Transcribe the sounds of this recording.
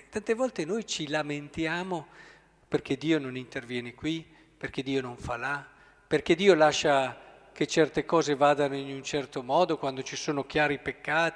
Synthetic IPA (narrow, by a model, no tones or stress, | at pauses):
t̪ant̪evɔlt̪enojt͡ʃilament̪jaːmo | perk̟ed̪iːononint̪ervjɛːnekwi | perked̪iːonoɱfala | perked̪iːolaʃːa | ket͡ʃɛrt̪ekɔːzevaːd̪anoinunt͡ʃɛrt̪omɔːd̪okwand̪ot͡ʃisoːnok̟jaːɾipekːaːt̪